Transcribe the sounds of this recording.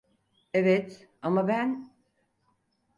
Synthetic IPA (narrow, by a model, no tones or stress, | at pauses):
evɛt̪amabæn